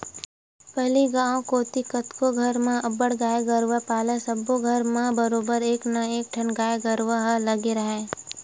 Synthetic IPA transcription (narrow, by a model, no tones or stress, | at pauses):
pɛɦliɡãːõkoːt̪ikət̪koɡʱɐɾmẽəbəɽɡaːeɡəɾʋapaːlesəboɡʱəɾmẽbəɾoːbəɾeːknɐeːk̚ʈʰənɡaːeɡəɾʋaɦlɐɡeɾɐɦeː